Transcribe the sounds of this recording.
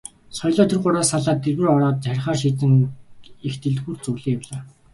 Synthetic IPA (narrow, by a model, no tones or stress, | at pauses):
sɔjɮɔːt̪ʰerɢʊɾaːsaɮaːt̪ːerwɘ̆rɔɾɔːt̪̚t͡sæɾʲɪ̆χaːrʃ̬iːt͡sɘ̆ŋ | ext̪ʰɘ̆ɮxurt͡sɵwɮiːkawɮaː